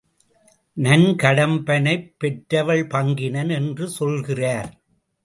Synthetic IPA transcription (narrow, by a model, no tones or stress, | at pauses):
nɐnkɐɽɐmbɐnɐɪpːɛʈɾɐʋɐɭpɐŋɡɪnɐnɛndrɯsɔlɣɪraːɾ